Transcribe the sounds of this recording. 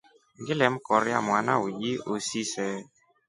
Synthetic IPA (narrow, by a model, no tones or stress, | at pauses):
ŋɡɪlɛm̩kɔɾja̰mwanawud͡ʒiosisɛ